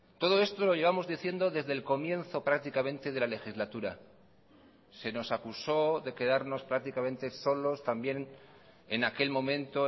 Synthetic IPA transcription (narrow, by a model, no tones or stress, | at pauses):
t̪o̞ð̞o̞e̞st̪o̞lo̞ʝe̞βamo̞zðiθje̞nd̪o̞ðe̞zðe̞lko̞mjẽ̞nθo̞pɾak̚t̪ikamẽ̞nt̪eð̞e̞lale̞xizlat̪uɾa | se̞no̞sakuso̞ðe̞ke̞ðaɾno̞spɾak̚t̪ikamẽ̞nt̪e̞so̞lo̞st̪ambje̞n | enake̞lmõ̞mẽnt̪o̞